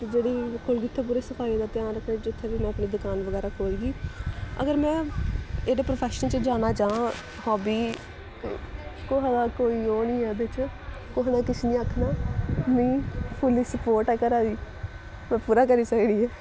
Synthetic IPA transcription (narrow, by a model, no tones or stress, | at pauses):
t̪ed͡ʒeːɽiːkʰʊlɡit̪ʰːeːp̬uːɾeːsəfʰaːiːd̪aːt̪jaːnɾəkʰnẽːt͡ʃɪt̪ʰːẽʋiːmɛ̃ːəpneːd̪ʊkaːnʋəɡɛːɾaːkʰoːlɡiːə̰ɡəɾmɛ̃ːeːdeːpɾoːpʰɛːʃənt͡ʃəd͡ʒaːnaːt͡ʃãː | hɔːbiː | ekoːɦaɡaːkoːiːoːnĩːɛːbɪt͡ʃ | koːɦnaːkɪsnĩːəkʰːnaːmĩːpʰʊliːsəpoːɾʈɛːkəɾaːiː | mɛ̃ːpuːɾaːk̬əɾiːsəkɽiːɛː